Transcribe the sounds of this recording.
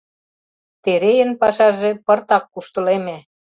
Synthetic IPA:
t̪eɾejə̆npɑʃɑʒĕpɤ̆rt̪ɑkːuʃt̪ə̆lemĕ

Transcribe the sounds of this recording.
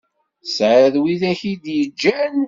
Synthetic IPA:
sʕaðwiðæçid̪jəd͡ʒːæn

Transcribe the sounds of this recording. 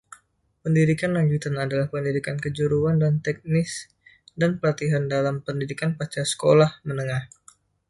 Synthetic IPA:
pəndidikanlaɲd͡ʒut̪anadalahpəndidikankəd͡ʒuɾuandant̪ɛk̚nɪs | danpəlat̪iɦandalampəndidikanpat͡ʃasə̥kolahmənəŋah

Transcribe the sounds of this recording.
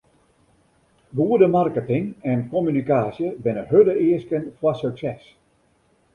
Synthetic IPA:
ʋuədəmarkətɪŋɛnkɔmynikaːsjəbɪnəhødəɪəskənfwasøksɛs

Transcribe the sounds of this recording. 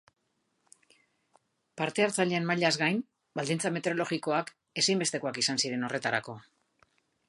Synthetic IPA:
paɾt̪e̞aɾt͡saʎeanmaʎazɣajn | bald̪int͡same̞t̪e̞ɾo̞lo̞ɣiko̞ak | e̞sajmbe̞st̪e̞ko̞akisansiɾe̞no̞re̞t̪aɾako̞

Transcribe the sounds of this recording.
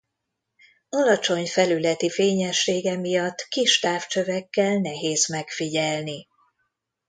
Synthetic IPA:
ɒlɒt͡ʃo̞ɲfɛlylɛt̪ifeːɲɛʃːeːɡɛmijɒt̪ːkiʃt̪aːft͡ʃøvɛkːɛlnɛɦeːzmɛkfiɟɛlni

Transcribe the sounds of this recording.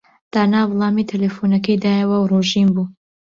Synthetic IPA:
d̪̥aːnaːvlˠɑːmit̪ʰelefunɐkɐjd̪aːjɐwɐwɾoʒimbuː

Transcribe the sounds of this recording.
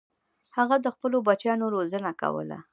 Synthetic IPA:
haɣad̪əxpəlobat͡ʃjɑnoɾozənaka̰wə̰la̰

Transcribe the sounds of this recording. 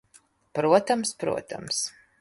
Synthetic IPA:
pɾuɔt̪amspɾṵɔt̪a̰ms

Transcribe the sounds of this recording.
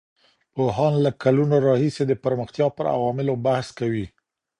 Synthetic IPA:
poɦɑnlakalunoɾɑhised̪əpəɾməxt̪jɑpəɾa̰wɑmɪlobahskawi

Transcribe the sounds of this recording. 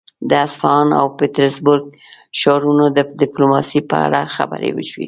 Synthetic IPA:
d̪əasfɑna̰wpet̪aɾsbʊɾɡ̚ | ʃɑɾunod̪ədɪplomɑsipəa̰ɽaxa̰ba̰ɾḛwəʃwḭ

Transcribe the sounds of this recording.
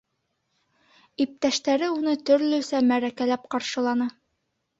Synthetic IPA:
ip̚t̪æʃt̪æɾɘunɤt̪ɵ̆ɾlɵsæmæɾækælæp̚qɑɾʃɤ̆lˠɑnɤ

